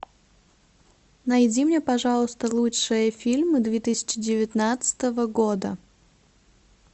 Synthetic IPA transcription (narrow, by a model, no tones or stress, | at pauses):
nɐjdʲimnʲepɐʐalˠəst̪əlˠutʂɨjəfʲilʲmɨd̪vʲet̪ɨsʲɪ̥t͡ɕɪdʲɪvʲɪt̪nat̪sɨ̥t̪əvəɡod̪ə